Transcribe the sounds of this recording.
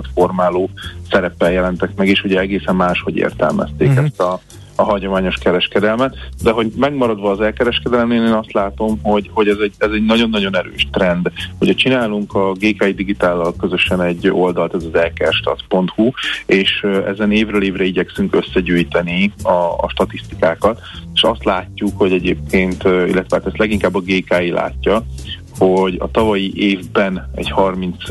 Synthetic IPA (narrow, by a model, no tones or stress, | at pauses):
ɒt̪fo̞rmaːloːsɛɾɛpːɛljɛlɛnt̪ɛkmɛɡeːʃhuɟɛɛɡeːsɛmmaːʃho̞ɟḛːrt̪ɛ̰lmɛ̰st̪eːkɛst̪ɒː | ɦɒɟo̞maːɲo̞ʃkɛɾɛʃkɛd̪ɛlmɛt̪d̪ɛɦo̞ɟmɛɡmɒɾɒd̪ʋɒːzɛlkɛɾɛʃkɛd̪ɛlɛmeːneːnɒst̪laːt̪o̞mho̞ɟho̞ɟɛzɛɟɛzɛɟnɒɟo̞nːɒɟo̞nɛɾø̰ːʃt̪rɛnd̪hocʰɒt͡ʃinaːluŋkɒɡeːkaːid̪iɡit̪aːlːɒlkø̞zø̞ʃɛnɛɟːo̞ld̪ɒlt̪ɛzɒzɛlkɛrʃt̪ɒ̰t̪po̞nt̪hueːʃɛ̰zɛneːvrøːleːvrɛiɟɛksyŋkø̞sːɛɟyːjt̪ɛniɒ̰ʃt̪ɒt̪ist̪ikaːkɒt̪ | eʃɒst̪laːcːukho̞ɟɛɟeːp̚kʰeːnt̪ḭlːɛt̪ʋɛaːt̪ɛst̪lɛɡiŋkaːbːɒɡeːkaːilʔa̰ːcːɒ | ho̞ɟɒ̰t̪ɒvɒjiʔeːvbɛnɛ̰ɟhɒrmint̪s